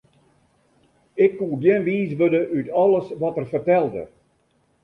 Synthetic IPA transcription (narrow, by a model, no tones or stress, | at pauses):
ɪkːuːdjɛnʋiːs̬ʋødəʔytʰɔlˠəsʋɔtərfərtɛlˠdə̰